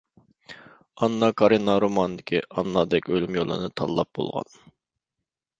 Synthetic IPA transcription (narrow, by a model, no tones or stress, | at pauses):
ɑnːɑkʰɑɾinːɑɾomɑnd̪ɪkʲʰiʔɑnːɑd̪ɛkʲølymjolˠɨ̰nɨt̪ʰɑlˠːɑp̚bo̰lˠʁɑ̰n